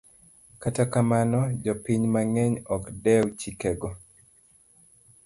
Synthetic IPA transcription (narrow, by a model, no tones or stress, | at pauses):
katakamanɔd͡ʒɔpiɲmaŋɛɲɔkdɛwt͡ʃikɛɡɔ